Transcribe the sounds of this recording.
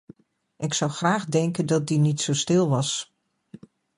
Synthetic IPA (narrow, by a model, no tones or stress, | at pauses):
ʔɪksʌwχraːχdɛŋkəndɑt̚dinitsowstɪlˠʋɑs